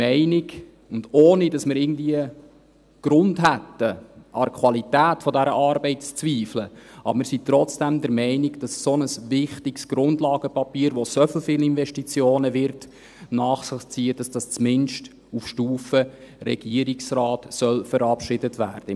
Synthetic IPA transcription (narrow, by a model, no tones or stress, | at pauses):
ɛɪnɪɡ | ʊndoːnidɑsmɪɾɪɡən̩dviə | ɡ̥ɾʊndɦætːəʔɑɾkʰwɑlitæːtfɔdæɾəʔɑɾbɛɪtt͡st͡sviːfləʔɑ̰bəmɪɾsit̪ɾɔt͡sd̥æmd̪əɾmɛɪnɪɡd̥ɑssonəsʋɪχtɪksɡ̥ɾʊndlɑːɡəpɑpiːəɾʋosɔfl̩ˠfɪːlɪnvɛʃtit͡sjoːnəʋɪɾt | nɑːχsɪχt͡siːəd̥ɑsd̥ɑst͡smɪnʃt | ufʃtuːfərɛ̰ɡ̥iəɾiksrɑːtsœlfəɾɑpʃɪdətvæ̰ːɾd̥ə